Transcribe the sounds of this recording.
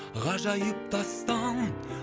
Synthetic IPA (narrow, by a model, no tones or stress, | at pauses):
ʁɑʒɑjəp̚t̪ɑst̪ɑn